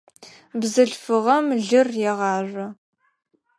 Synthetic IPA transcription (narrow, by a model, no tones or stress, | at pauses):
bzɨɬfɨʁɐmɮɨrjɛʁɑːʒʷɐ